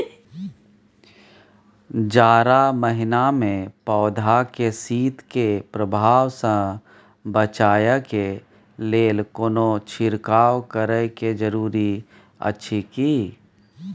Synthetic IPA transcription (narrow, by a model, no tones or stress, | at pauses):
d͡ʒaːɾaməɦɪnamẽpɔːd̪ʱakesiːt̪kepɾəbʱaːwsə̃ | bət͡ʃaːjəke | leːlkoːnot͡ʃʰɪɾkaːwkəɾəked͡ʒəɾuːɾi | ə̰tːʃʰikiː